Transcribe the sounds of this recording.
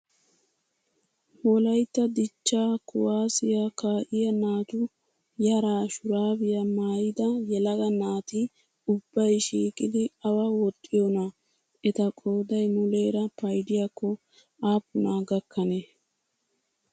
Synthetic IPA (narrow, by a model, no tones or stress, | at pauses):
mɔlɐjt̪ːɐd̪ɪt͡ʃːaːkʊwaːsɪjakaːʔɪjɐnaːt̪ʊ | jɐɾaːʃʊɾaːbɪjɐmaːjɪd̪ɐjɛlɐɡɐnaːt̪ɪ | ʊbːɐjʃiːkʼɪd̪ɪɐwɐwɔt̪ʼːɪjɔnɐ | ɛt̪ɐkʼoːd̪ɐjmʊle̞ːɾɐpɐjd̪ɪjɐkːɔ | aːpːʊnaːɡɐkʰːɐne